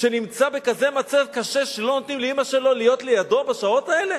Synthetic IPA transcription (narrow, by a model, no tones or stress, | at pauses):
ʃenimt͡sabekazemat͡savkaʃeʃelo̞not̪nimleimaʃelo̞lijo̞t̪lejad̪o̞baʃao̞t̪ae̞le̞